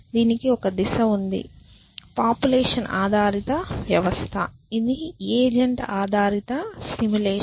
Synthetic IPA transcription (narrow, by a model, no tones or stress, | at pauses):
d̪iːnikiɔkɐd̪iʃɐund̪ḭ | paːpjuleːʂɐnʔa̰ːd̪ʱaːɾit̪ɐʋjɐʋɐst̪ʰɐ̰id̪ieːd͡ʒɐɳʈaːd̪ʱaːɾit̪ɐsimuleː